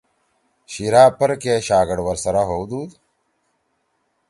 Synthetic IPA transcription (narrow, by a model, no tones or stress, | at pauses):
ɕiɾaːpɐɾkeɕaːɡɐɽwɐɾsɐɾaɦowd̪uːd̪